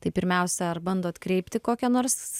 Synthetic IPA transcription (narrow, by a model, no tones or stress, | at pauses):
t̪ɐɪpʲɪɾʲmʲɛʊsʲɛɐrbɐnd̪oːt̪kɾʲɛɪpʲt̪ʲɪkoːkʲɛnoːɾs